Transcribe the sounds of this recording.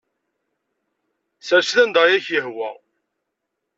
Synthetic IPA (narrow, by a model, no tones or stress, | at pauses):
sæɾʃθænd̪ɑjæçjəhwæ̰